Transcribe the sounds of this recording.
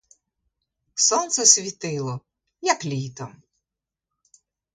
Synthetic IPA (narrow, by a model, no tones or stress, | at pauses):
sɔnt̪sɛsʲʋʲit̪ɪlˠɔ | jɐklʲijt̪ɐm